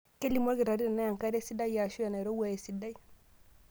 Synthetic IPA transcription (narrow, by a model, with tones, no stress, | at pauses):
ke˦lːi˨mo˦ɾɡi˨ɾa˨ɾi˦ɾa˨na˦ja˨ŋka˦ɾe˦si˦da˦i˦ja˨ʃu˦ja˨na˨i˨ɾo˦wa˨je˨si˨da˦i˦